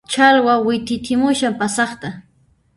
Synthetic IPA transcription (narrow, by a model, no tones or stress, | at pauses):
t͡ʃalwawɪt̪ɪt̪ʰɪmʊʃampasɑχt̪a